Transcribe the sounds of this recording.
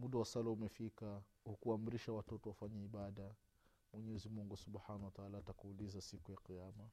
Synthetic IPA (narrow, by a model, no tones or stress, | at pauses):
muɗawasalaumɛfika | hukuam̩ɾiʃawatɔtɔwafaɲaiɓaɗa | mwɛɲɛɛzimuŋɡusubħanawataalaːtakuːlizasikujaqijama